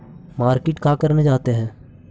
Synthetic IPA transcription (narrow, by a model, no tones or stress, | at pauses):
maːɾkɪʈkaːkəɾned͡ʒaːt̪eɦɛ̃ː